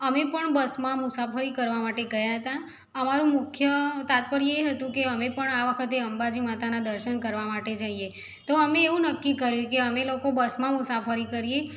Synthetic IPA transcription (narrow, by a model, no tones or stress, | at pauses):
əmepəɳbəsmãmʊsafʰəɾikəɾʋamaʈeɡəjaɦət̪a | əmaɾũmʊkʰjət̪at̪̚pəɾjeɦət̪ũkeəmepəɳaʋəkʰət̪eəmbad͡ʒimat̪anad̪əɾʃənkəɾʋamaʈed͡ʒaie | t̪oəmeːʋũnəkːikəɾjũkeəmelokobəsmãmʊsafəɾikəɾije